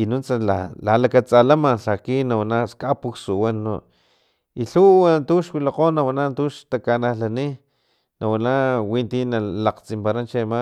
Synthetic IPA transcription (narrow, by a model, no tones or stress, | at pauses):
inunt͡sala̰lalakat͡salamaɬakinawanaskapuksuwano̰ | iɬuwant̪uʃwilaqoːnawanant̪uʃt̪akanahlani | nawanawint̪inalaqt͡simpaɾant͡ʃema